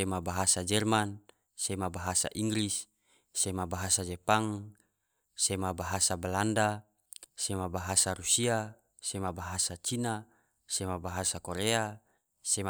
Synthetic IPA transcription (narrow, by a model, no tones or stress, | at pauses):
emabaɦasad͡ʒɛrman | semabaɦasa̰ʔiŋɡɾisː | emabaɦasad͡ʒɛpaŋ | semabaɦasabalanda | semabaɦasaɾusia | semabaɦasat͡ʃina | semabaɦasakoɾea | se